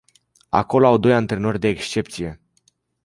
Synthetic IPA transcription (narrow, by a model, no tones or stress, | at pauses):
a̰ko̞loawd̪o̞jant̪ɾe̞no̞rʲd̪e̞ːkst͡ʃe̞p̚t̪sije̞